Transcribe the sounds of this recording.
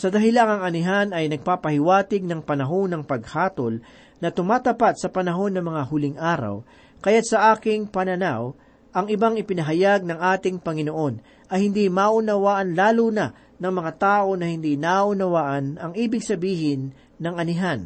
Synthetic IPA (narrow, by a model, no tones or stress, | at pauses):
sɐd̪ɐɦɪlaŋɐŋɐnɪɦanɐjnɐɡ̚paːpɐhɪwaːt̪ɪɡ̚nɐŋpɐnɐɦonɐŋpɐɡhaːt̪ol | nɐt̪ʊmaːt̪ɐpat̪̚sɐpɐnɐɦo̞nːɐmɐŋahʊlɪŋʔaːɾɐ̰w | kɐjat̪̚sɐʔaːkɪŋpɐnɐnaw | ʔɐŋɪbaŋɪpɪnɐɦɐjaɡ̚nɐŋʔaːt̪ɪŋpɐŋɪnoʔo̞n | ʔɐhɪnd̪imaʔʊnɐwaːʔɐnlaːlunɐ | nɐŋmɐŋat̪aːʔo̞nɐhɪnd̪inaʔʊnɐwaːʔɐnɐŋʔiːbɪɡsɐbiːhɪnː | ɐŋʔɐnɪɦan